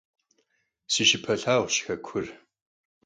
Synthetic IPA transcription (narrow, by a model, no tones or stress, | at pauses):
siʃɪpʰɐɬaːʁʷʃxɐkʷʰʊr